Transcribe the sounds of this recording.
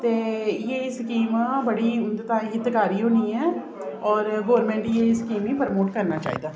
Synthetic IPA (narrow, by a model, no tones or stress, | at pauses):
t̪eːjeɪskiːmabɐɽit̪aɦɪt̪ɪkaːɾiɦoːniɦɛː | ɔːɾɡoːəɾmẽɳʈjeɪskiːmipəɾmoːʈkɐɾnat͡ʃa̰ːɦḭːd̪aː